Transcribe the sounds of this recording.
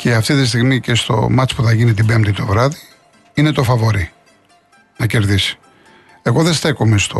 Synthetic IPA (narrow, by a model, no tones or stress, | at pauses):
cʰe̞ɐft̪it̪ist̪iɣmice̞st̪o̞̰mɐt͡spuθɐʝinit̪̬ibe̞mt̪it̪o̞vɾɐði | ine̞t̪o̞fɐvo̞ɾi | nɐce̞ɾðisi̥ | e̞ɣo̞ðest̪e̞komest̪o